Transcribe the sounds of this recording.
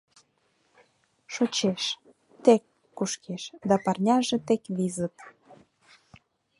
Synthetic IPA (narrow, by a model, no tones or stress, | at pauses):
ʃot͡ɕeʃ | t̪ekː | uʃkʰeʃd̪ɑpɑrnʲɑʒĕt̪ekβizə̆t̪